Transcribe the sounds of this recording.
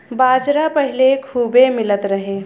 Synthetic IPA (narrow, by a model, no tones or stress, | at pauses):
bad͡ʒɾapəɦilekʰuːbemilət̪ɾəɦe